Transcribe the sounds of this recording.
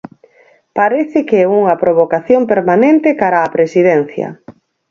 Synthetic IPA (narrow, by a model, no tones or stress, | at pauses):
paɾɛθɪkeɛuŋɐpɾoβ̞okaθjompeɾmanẽnt̪ɪkaɾaːpɾesið̞ɛn̟θjɐ̰